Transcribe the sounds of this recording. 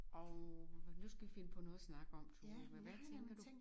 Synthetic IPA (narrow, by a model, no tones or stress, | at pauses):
ʔɒʊnusɡ̥æʋife̝nəpʰɒ̽nɔ̽ːð̩ˠsnɑ̈ɡ̥əɒ̽m̰t͡sʰumeʋæt͡sʰeŋɡ̥ɐd̥